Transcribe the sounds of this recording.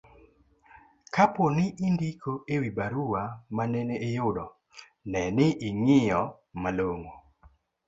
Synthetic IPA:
kaponɪʔindikʰoewibaɾuwamanɛneejʊdɔ | nɛnɪʔɪŋɪjɔ | maloŋo

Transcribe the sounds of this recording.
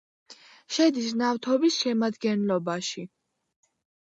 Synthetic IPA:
ʃɛd̪isnaft̪ʰɔbisʃɛmad̪ɡɛnlɔbaʃi

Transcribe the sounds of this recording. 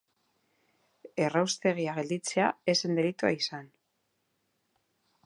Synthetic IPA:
e̞rawst̪e̞ɣ̞iaɣ̞e̞ld̪it͡se̞aese̞nd̪e̞lit̪ua̰isan

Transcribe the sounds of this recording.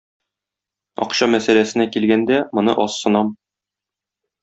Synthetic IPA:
ɒ̰qɕɑmæsælæsɘ̆nækilɡænd̪æmŏnɤ̰ʔɒsːɤ̆nɑm

